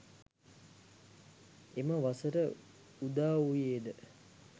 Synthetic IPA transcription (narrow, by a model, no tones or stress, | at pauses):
eməʋasəɾə | ud̪aːʋujeːd̪ə